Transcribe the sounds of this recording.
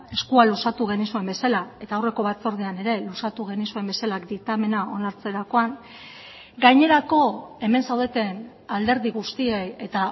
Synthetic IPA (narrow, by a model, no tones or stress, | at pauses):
e̞skualusat̪uɣ̞e̞nisue̞mbe̞salae̞t̪aowre̞ko̞βat͡so̞ɾð̞eane̞ɾe̞lusat̪uɣ̞e̞nisue̞mbesalakd̪it̪ame̞nao̞naɾt͡se̞ɾako̞aŋ | ɡajɲe̞ɾako̞e̞me̞nsawðe̞t̪e̞n | ald̪e̞ɾðiɣust̪ieje̞t̪a